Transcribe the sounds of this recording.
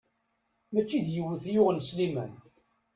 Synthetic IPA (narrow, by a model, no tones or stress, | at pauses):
mæt͡ʃːid̪jəwːəθjʊʁənslimæ̰n